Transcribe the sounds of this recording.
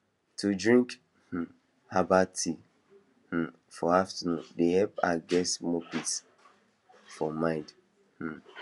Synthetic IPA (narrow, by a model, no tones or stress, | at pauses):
tʰudɹĩŋk | h̩ | abatʰi | h̩ | fɔaftənũdehɛpaɡɛsmɔpit | fɔmãɪ̃nd | h̩